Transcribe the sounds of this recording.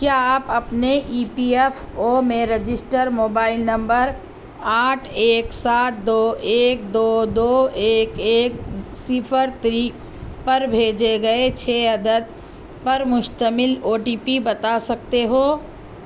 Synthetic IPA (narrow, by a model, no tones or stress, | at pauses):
kjaaːpɐpneʔiːpiefoːmẽɾəd͡ʒɪsʈəɾmoːbaːɪlnɐ̃mbəɾ | aːʈʰeːksaːt̪̚d̪oːʔeːk̚d̪oːd̪oːeːkeːk̚sɪpʰəɾt̪ɾiː | pɐɾbʱeːd͡ʒeɡɐet͡ʃʰeːɐd̪əd̪̚ | pɐɾmʊʃt̪əmɪloːʈiːpibɐt̪asɐkt̪eɦoː